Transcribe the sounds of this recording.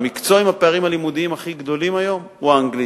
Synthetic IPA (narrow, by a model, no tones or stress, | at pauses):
mikt͡soaimhapeaʁimhalimud̪iimaχiɡd̪o̞limajo̞m | uaaŋɡli